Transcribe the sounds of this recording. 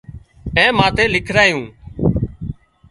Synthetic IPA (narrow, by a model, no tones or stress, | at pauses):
ẽːmãːt̪eːlɪkʰɾaːjũː